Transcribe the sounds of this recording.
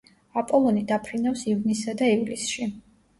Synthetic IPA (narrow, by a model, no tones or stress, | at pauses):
apʼɔlˠɔnid̪apʰɾinafsivnisad̪aivlisʃi